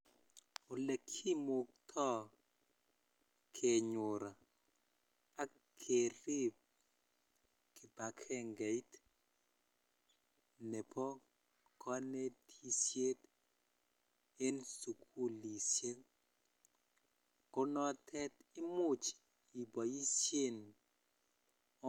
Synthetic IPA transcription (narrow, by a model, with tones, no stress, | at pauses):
o˨le˨kʰi˦mo˨k̚t̪ʰɔ˦ | kʰe˨ɲʊ˨ɾa˨ | a˦ | kʰe˨ɾi˦p̚ | kɪ˨ba˨kʰɛ˦ŋɡe˨i˦t | nɛ˨pɔ˦ | kʰɔ˦ne˦tʰi˦sje˦t | e˦nsu˨kʰu˦li˨sje˦n | kɔ˦nɔ˦tʰɛ˦tɪ˦mʊ˦t͡ʃ | i˨bɔ˨ji˦sje˦˨n˦